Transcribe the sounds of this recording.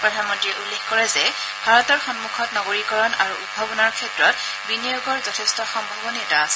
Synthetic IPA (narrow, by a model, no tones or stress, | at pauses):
pɹɔdʱanmɔntɹijɛʔulːexkɔɹɛzɛ | bʱaɹɔtɔɹxɔnmukʰɔtnɔɡoɹikɔɹɔnaɹuʔudbʱabɔnaɹkʰɛtɹɔt̚ | binijoɡɔɹzɔtʰɛstɔxɔmbʱɔbɔniɛtaːsɛ̥